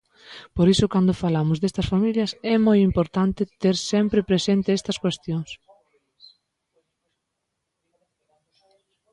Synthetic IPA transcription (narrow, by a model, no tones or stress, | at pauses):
poɾisʊkand̪ʊfalamʊzðest̪ɐsfamiljɐsɛmojimpoɾt̪ant̪ɪt̪eɾsɛmpɾepɾesent̪eɛst̪ɐskwest̪joŋs